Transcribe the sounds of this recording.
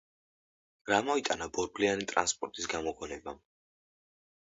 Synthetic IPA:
ɾamɔit̪ʼanabɔɾblianit̪ʼɾa̰nspʼɔɾt̪ʼisɡamɔkʰɔnɛba

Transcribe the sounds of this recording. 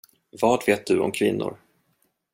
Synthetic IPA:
vɑːʈveːt̪̚d̪ɵɔ̰mkʰvɪnːʊ̰ɾ

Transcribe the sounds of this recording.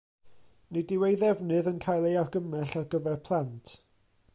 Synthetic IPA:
nidiwejðɛvnɨðənkʰajlˠearɡəmɛɬarɡəvɛrpʰlˠantʰ

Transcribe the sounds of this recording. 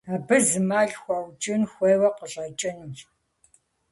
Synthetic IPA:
aːbɨzɨmaːɮxʷɐwt͡ʃʼɪnxʷeːwɐqəɬʼɐt͡ʃʼɪn

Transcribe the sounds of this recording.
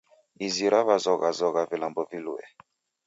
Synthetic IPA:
iziɾaβazɔɣazɔɣavilambɔviluɛ̰

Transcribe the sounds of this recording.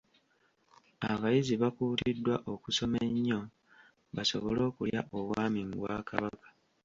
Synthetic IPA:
aβajiziβakuːtidːwaʔo̞kuso̞meɲːo̞ | βaso̞̰βolo̞ːkuljaʔoβwaːmiŋɡwaːkʰaβakḁ

